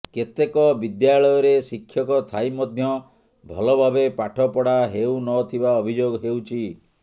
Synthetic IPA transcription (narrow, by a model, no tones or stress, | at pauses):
ket̪ekɔbid̪jaɭɔjɔɾesikʰːjɔkɔt̪ʰajmɔd̪ʱjɔ | bʱɔlɔbʱabepaʈʰɔpɔɽaɦewnɔt̪ʰibaɔbʱid͡ʒoɡɦewt͡ʃʰi